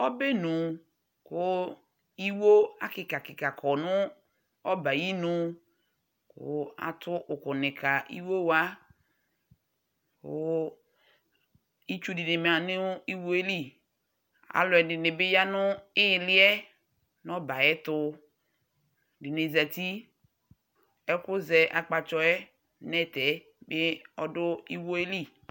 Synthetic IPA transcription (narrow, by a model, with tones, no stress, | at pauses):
ɔ˦be˦nʊ˨ | kʊ˦ | i˦wo˦a˦kɪ˨ka˨kɪ˨ka˨kʰɔ˨nʊ˦ | ɔ˦ba˨ji˦nʊ˨ | kʊ̰˦a̰˨tʊ˦ʔʊ˨kʊ˨nɪ˨kʰa˨ʔḭ˦wo˦wa˦ | kʊ̰˦ | i˦t͡ʃu˦dɪ˨nɪ˨m˨a˨nɪ˦i˦wo˦e˦li˦ | a̰˨˦lɔ˨ɛ˨dɪ˨nɪ˨bɪ˦ja˦nʊ˦ɪ˦˨lɪ˦ɛ˦ | nɔ˦ba˨ɛ˦tʊ˦ | dɪ˨ne˨za˨t̪i˦ | ɛ˦kʊ˦zɛ˨ʔa˨k͡pa˨t͡ʃɔ˨˦ɛ˦ | nɛ˦tɛ˨˦ | bɪ˦ɔ˦dʊ˦i˦wo˦e˦li˦